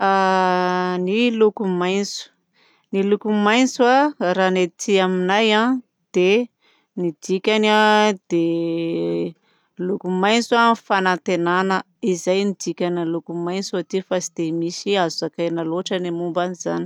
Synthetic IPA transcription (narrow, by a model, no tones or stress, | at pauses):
a | nilukumajnt͡su̥ | nilukumajnt͡suaɾanett̪iaminajã | d̪̥e | nid̪̥ikʲanad̪̥e | lukumajnt͡suafanant̪enanə | izajnid̪ikʲanalukumajnt͡suat̪ifasid̪emisiazuakanaloaʈ͡ʂanimumbaniza̰ni̥